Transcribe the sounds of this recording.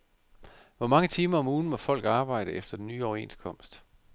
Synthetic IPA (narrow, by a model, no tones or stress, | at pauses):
ʋɒmɑ̈ŋət͡sʰiːmɐɒ̽muːn̩mɒ̽fɒ̽l̰ɡ̥ɑ̈ːb̥ɑ̈ɪ̰ɾ̥əefd̥ɐd̥enːyːɒʊɐe̝̰nskʰɒ̽m̰sd̥